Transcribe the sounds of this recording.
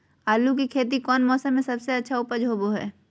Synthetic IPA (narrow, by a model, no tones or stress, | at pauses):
aːluk̬ikʰeːt̪̬ikɔːnmɔːsə̃mːẽsɐbseɐtːʃʰaʊpəd͡ʒʱɦoːboɦɛ̰ː